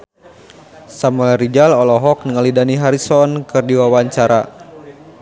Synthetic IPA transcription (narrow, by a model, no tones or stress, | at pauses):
samulɾid͡ʒalɔlɔɦɔk̚nəŋalidaniɦaɾisɔnkɨrdiwawaɲt͡ʃaɾa̰